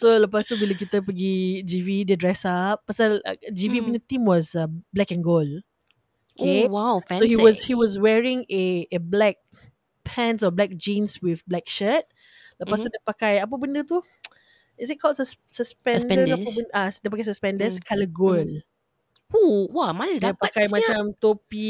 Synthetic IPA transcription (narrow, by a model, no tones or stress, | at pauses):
solapast̪ubiləkit̪əpəɡid͡ʒividədɹɛsap̚pasal̰d͡ʒivibəndət̪ĩmwɔsablɛkɛ̃nɡol | okewawfsohiwɔshiwɔs̬wɛɹĩŋeːblɛk̚ | pʰɛ̃nsɔblɛk̚d͡ʒĩnswifblɛk̚ʃət̚ | lapast̪udɛpakajap̬əbə̃ndət̪u | isit̚kʰɔlsəssəspɛ̃nndəapəbəndasdəpakajs̬əspɛ̃ndəskʰaləɡol | huwɔmandɛpakajmat͡ʃãmt̪opi